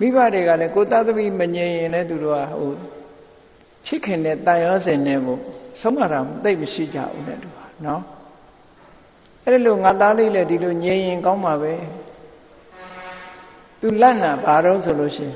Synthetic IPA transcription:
mi˦˨βa˦˨de˨ɣa˦˨lɛ˦ko˨t̪a˦˨t̪ə˦bi˦˨mə˨ɲẽ˨ɪ̃jɪ̃˨nlɛ˦˨t̪̬u˨ɾo̰˦˨a̰˦˨ɦo˨ | t͡ɕʰɪ˦kʰɪ̃˨ndɛ˦˨t̪ã˨jɔ˦zɪ̃˨nɛ˦˨ɡo̰˨sʰõ˦ma˨ɾa˨m˨t̪e˦˨ʔməʃḭ˦˨d͡ʑa̰˦˨ʔṵ˦nɛ̰˦˨t̪u˨a˨nɔ˦ | ʔɛ˦ɾi˨lo˨ŋa˨t̪a˦le˦˨lɛ˦di˨lo˨ɲẽ˨jɪ̃˨ŋkã˦ʊ̃mba˨βɛ˦ | t̪u˨lã˦˨na˨ba˨ɾõ˦ʊ̃sʰo˨lo̰˦˨ʃɪ̰̃˦˨

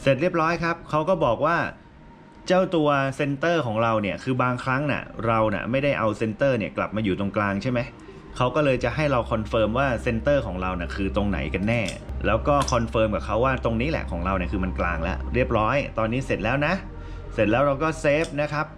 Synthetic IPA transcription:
se˨˩t̪̚ɾi˥˩p̚ɾɔː˦˥jkʰa˦˥p̚kʰa˦˥wkɔː˥˩bɔː˨˩k̚waː˥˩ | t͡ɕaː˥˩wt̪u˧ɐse˧nt̪ɤː˥˩kʰɔː˩˦ŋɾa˧wni˥˩ɐkʰɯː˧baː˧ŋkʰɾa˦˥ŋnḭ˥˩ɾa˧wnḭ˥˩ma˥˩jda˥˩jʔa˧wse˧nt̪ɤː˥˩ni˥˩ɐkla̰˨˩p̚maː˧juː˨˩t̪o˧ŋklaː˧ŋt͡ɕʰa˥˩jma˦j | kʰa˦˥wkɔː˥˩lɤː˧jt͡ɕa˨˩ɦa˥˩jɾa˧wkʰɔ˧nfɤː˧mwaː˥˩se˧nt̪ɤː˥˩kʰɔː˩˦ŋɾa˧wni˨˩kʰɯː˧t̪o˧ŋna̰˩˦jka˧nːɛː˥˩lɛː˦˥wkɔː˥˩kʰɔ˧nfɤː˧mkaː˨˩p̚kʰa˦˥wːaː˥˩t̪o˧ŋniː˦˥lɛ̰˨ʔkʰɔː˩˦ŋɾa˧wni˥˩kʰɯː˧ma˧nkla̰ː˧ŋlɛ̰˦˥ʔɾi˥˩əp̚ɾɔː˦˥jt̪ɔː˧nːiː˦˥se˨˩t̪̚lɛː˦˥wna˦˥ | se˨˩t̪̚lɛː˦˥wɾa˧wkɔː˥˩seː˦˥p̚na˦˥kʰa˦˥p̚

